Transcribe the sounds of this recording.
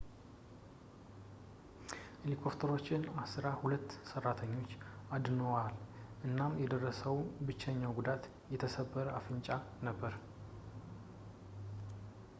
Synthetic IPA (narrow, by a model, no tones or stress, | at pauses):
ʔelikʰo̞pt̪ʰəɾo̞t͡ʃːɪnasɨɾahulət̪ːsərːat̪ʰəɲːo̞t͡ʃːad̪nowalʔɨnːamjɛd̪ərːəsəwbɨt͡ʃːɛɲːawɡud̪at̪ | jɛt̪ʰəsəbːəɾəafɨnt͡ʃʼanəbːəɾ